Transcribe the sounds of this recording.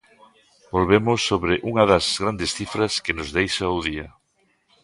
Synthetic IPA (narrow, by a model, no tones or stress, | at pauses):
bolβemʊsːoβɾɪʔuŋɐðɐzɣɾand̪esθifɾɐskɪnʊzðejʃauðiɐ